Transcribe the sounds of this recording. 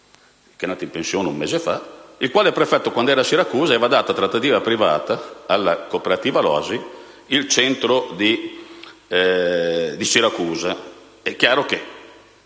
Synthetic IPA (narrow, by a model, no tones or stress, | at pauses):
k̟enaːt̪aimpẽnsjoːneṵmːeːzefa̰ilkwaːleɛpːɾefɛt̪ːokwand̪oɛːɾasiɾakuːzaɛːvad̪aːt̪at̪ɾat̪ːat̪iːvapɾivaːt̪aalːakopeɾat̪iːvalɔ̰azi | ilt͡ʃɛnt̪ɾod̪i | d̪isiɾakuːza | ɛkːjaːɾoke